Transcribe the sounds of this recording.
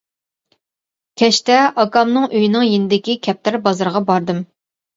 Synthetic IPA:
kʲʰɛʃt̪ɛʔɑkɑmnɨŋʔøjinɨŋjenɪd̪ɪkʲikʲʰɛp̚t̪ʰɪɾbɑzɨɾʁɑbɑɾd̪ɨm

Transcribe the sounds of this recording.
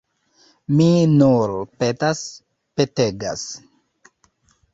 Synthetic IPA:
minuɾpetas | peteɡa̰s

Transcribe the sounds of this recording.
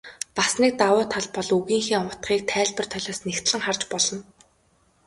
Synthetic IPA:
pasniːk̚t̪awʊːt̪ʰaɮpɔɮuɣiːŋxiːŋʊt̪χiːk̚t̪ʰæːɮpə̆r̥t̪ʰœɮʲɔːsnext̪ɮɘ̆ŋχart͡ɕpɔɮɞ̆n

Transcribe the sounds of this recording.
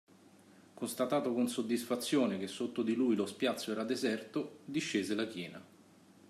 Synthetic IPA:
kost̪at̪aːt̪okonsod̪ːisfat̪sːjoːnek̟esːot̪ːod̪ilujlospjat̪sːoɛːɾad̪ezɛrt̪od̪iʃːeːzelakjɛːna

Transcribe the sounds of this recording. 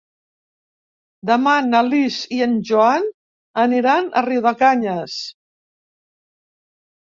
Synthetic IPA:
d̪əmanaliziənʒuan | əniɾanə̰riwðəkaɲəs

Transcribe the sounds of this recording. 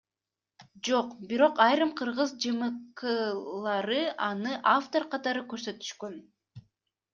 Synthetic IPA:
d͡ʒo̞qbiɾo̞qɑjɾɯmqʰɯɾʁɯzd͡ʒɯmɯqɯlˠɑɾɯʔɑnɯʔaft̪o̞ɾqʰɑt̪ɑɾɯkø̞ɾsø̞t̪y̥ʃkøn

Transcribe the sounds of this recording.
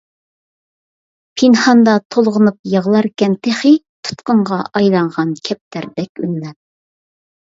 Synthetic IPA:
pʰinχɑnd̪ɑt̪ʰolˠʁənup̚jɑʁlˠɑɾkʲːɛnt̪ʰeχɨt̪ʰu̥t̪qəɴʁɑʔɑjlˠɑɴʁɑnkʲʰɛp̚t̪ʰæɾd̪ɛkʲy̰nlɛt̪̚

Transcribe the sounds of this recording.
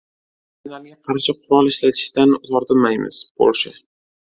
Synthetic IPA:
ʊlaɾɡʲaqʰɑɾʃɪqʰʊɾɒlˠɪʃlat̪ʰɪ̥ʃt̪anʊzɒɾd̪ɪmajmɪ̰z̥bo̰lˠʃɪ

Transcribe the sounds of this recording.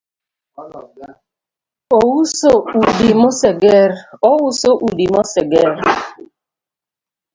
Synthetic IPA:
owusoudimɔseɡɛɾɔwusoʔudimɔsɛɡɛɾ

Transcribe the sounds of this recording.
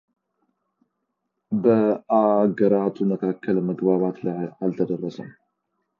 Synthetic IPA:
bəaɡəɾat̪ʰuməkʰakʰːəlməɡbaβat̪lajalt̪ʰəd̪ərːəsə̰m

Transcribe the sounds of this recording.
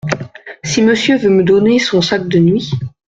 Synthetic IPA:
siməsjøvøməd̪ɔnesɔ̃sak̚d̪ənɥi

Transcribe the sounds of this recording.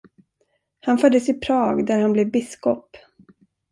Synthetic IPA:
hanfœd̪ːəsɪpʰɾɑːɡd̪æɾhanblɛvbɪskɔp

